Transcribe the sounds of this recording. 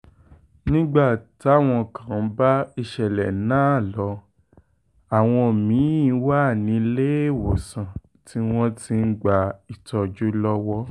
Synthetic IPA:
nĩ˦ɡ͡ba˦˨ti˨˦a˦˨w̃ɔ̃˧˨kã˨˦ba˦i˧ʃɛ˨lɛ̰˨nãː˦˨lɔ˨˧ | a˨w̃ɔ̃˧˨mĩ˨˦˧wa˦˨nĩ˨˧˦le˦e˦˨wo˨sã˨ | ti˧w̃ɔ̃˦ti˧n̩˦ɡ͡ba˧i˨tɔ˧d͡ʒu˦lɔ˦wɔ˦

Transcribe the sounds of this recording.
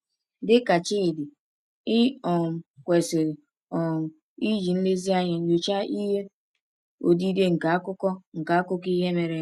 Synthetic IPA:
dɪ˦ka˨t͡ʃɪ˦˨dɪ˨ | ɪ˦ɔ˨m˨kʷe˨se˨ɾe˨ | ɔ˨m̩˨ | i˦d͡ʒi˨n̩˦le˦zi˦a˦ɲe˨n̩˦d͡ʒo˨t͡ʃa˦i˦ɦe˦ | o˨di˦de˦ŋ̩˨ka˨a˦kʊ˦kɔ˦ŋ̩˨ka˨a˦kʊ˦ki˦ɦe˦me˨ɾe˨

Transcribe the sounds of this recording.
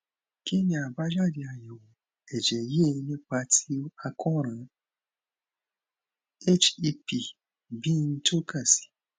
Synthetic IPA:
ki˦ni˨a˨ba˦d͡ʒa˦di˨a˨jɔ˨w | e˨d͡ʒe˨je˦˨˦nĩ˦k͡pa˧˦tʰi˦a˧kɔ˦ɾã˨˦ | e˦t͡ʃi˧pi˨ | bi˦n̩˦to˦ka˨si̥˨

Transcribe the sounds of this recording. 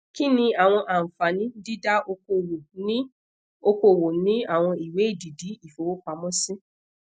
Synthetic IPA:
ki˦nĩ˧a˨w̃ɔ̃˧ʔa˨m̩˨fa˨nĩ˦di˦da˦o˧ko˧wo˨nĩ˦ | o˧ko˧˨wo˨nĩ˦a˦˨w̃ɔ̃˧i˨we˨˦i˦˨di˨di˨˦i˦˨fo˨˦wo˦k͡pa˨˦mɔ̃˦sĩ˦

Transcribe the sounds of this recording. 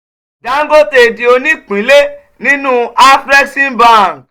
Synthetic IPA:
da˨˦ŋ̩˦ɡo˦te˧˨di˧o˧nĩ˦k͡pĩ˨˦le˦ | nĩ˦nũ˦a˦fɾɛ˦sĩ˦bã˨

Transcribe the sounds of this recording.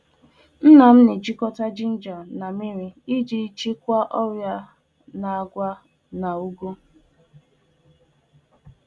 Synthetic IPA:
n̩˦na˨m̩˦nɪ˨d͡ʒi˦kɔ˦ta˦d͡ʒi˦n̩˦d͡ʒɔ˨na˨mi˦ɾi˦i˦d͡ʒi˦t͡ʃi˦kʷa˦ʔɔ˦ɾja˦ | na˨a˨ɡʷa˦ | na˨u˦ɡu˦

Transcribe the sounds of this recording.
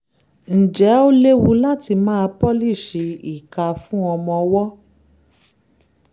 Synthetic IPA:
n̩˨d͡ʒɛ˨˦o˦le˦wu˧la˦ti˧mãː˦˧pɔ˦li˦˨ʃe˧i˨ka˧fũ˦ɔ˧mɔ̃˧wɔ˦

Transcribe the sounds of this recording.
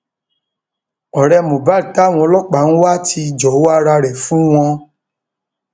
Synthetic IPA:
ɔ˨ɾɛ˧mõ˨ba˦˨ta˨˦˨w̃ɔ̃˧˦lɔ˦k͡pa˨ñ̩˦wa˦ti˧˨d͡ʒɔ˨˦a˦ɾa˧ɾɛ˨fũ˦w̃ɔ̃˧

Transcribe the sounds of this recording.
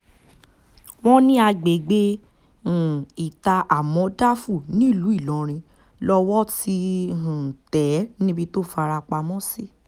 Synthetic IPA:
w̃ɔ̃˦nĩ˦a˧ɡ͡be˨ɡ͡bẽ˦˨ | i˨ta˧ʔa˨mɔ̃˨˧˦da˦fu˦˨nĩ˨˦˨lu˨˦i˦˨lɔ̃˨˦ɾ̃ĩ˧ | lɔ˧wɔ˦ti˧ɦũ˨tɛ˨˦nĩ˦bi˧to˦˨fa˧ɾa˧k͡pa˧mɔ̃˦si˦˨

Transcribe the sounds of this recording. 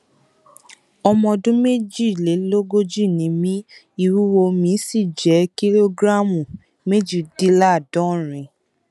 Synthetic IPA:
ɔ˧mɔ̃˧dũ˦me˦d͡ʒi˦˨le˨˦lo˦ɡo˦d͡ʒi˦˨nĩ˨˦mĩ˦ | i˧ɾu˦wo˧mĩ˨˦si˦˨d͡ʒɛ˨˦ki˦lo˦ɡɾa˦mũ˨ | me˦d͡ʒi˦˨di˦la˦˨dɔ̃˨˦ɾ̃ĩ˨

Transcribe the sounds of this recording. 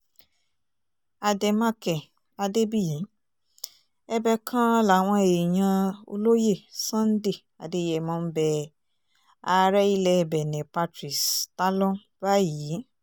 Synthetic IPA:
a˧dɛ˧ma˦kɛ˨ | a˧de˦bi˦˨ji˨˦ | ɛ˧bɛ˧kʰã˦la˨w̃ɔ̃˧e˨j̃ã˧o̰˧lo˦je˦˨sã˦n̩˦de˦˨ | a˨de˧˨jɛ˨mɔ̃˨˧˦n̩˦bɛ˧ | a˧ɾɛ˦i˦lɛ˧˨bɛ˨nɛ̃˨pa˧tɾi˨sta˦lɔ̃˦ | b̥a˦ji˨˦

